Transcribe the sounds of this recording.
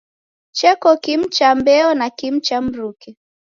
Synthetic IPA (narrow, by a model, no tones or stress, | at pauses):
t͡ʃɛkɔkim̩t͡ʃambɛɔnakim̩t͡ʃam̩ɾukɛ